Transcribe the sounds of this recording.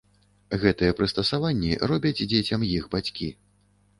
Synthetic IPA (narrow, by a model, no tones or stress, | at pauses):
ɣɛt̪ɨjɛpɾɨst̪ɐsavanʲːḭrɔbʲɐd͡zʲd͡zʲet͡sʲɐmjixbat͡sʲkʲi